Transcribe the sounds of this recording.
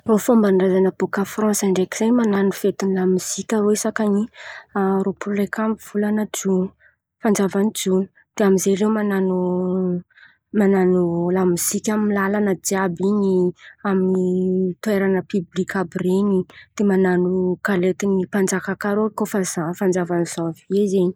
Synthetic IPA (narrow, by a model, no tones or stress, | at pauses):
rofombanrazanəb̥ukafrɔ̃nsaɳɖ͡ʐekizemananufet̪inlamiz̥ikʲaɾoisakaɲiaɾopʰulrekamiv̥ulanəd͡ʒun | fand͡ʒavanid͡zuni̥ | d̪̥eamizerewmananu | mananulamiz̥ikʲammilalanəd͡ʒiabiɲiaminit̪ueɾanəpyblikʲabrenid̪̥emananukalet̪inipand͡zakakaɾokofazafand͡zavaniz̥aviezeɲi̥